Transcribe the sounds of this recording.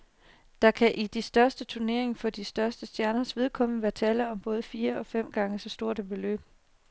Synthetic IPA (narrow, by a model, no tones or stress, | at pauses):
d̥ɑ̈kʰæʔid̥isd̥ɶɐsd̥ət͡sʰuɐne̝ɐe̝ŋfɒ̽d̥isd̥ɶɐsd̥əsd̥jæɐnɐsʋe̝ð̞ˠkʰɒ̽mnəʋæːɐt͡sʰɛːlɐɒ̽mb̥ɔ̽ːð̞ˠəfiːɐɒ̽fem̰ɡ̥ɑ̈ŋəsɒ̽sd̥o̝ɐ̰d̥æbe̝lø̰ːb̥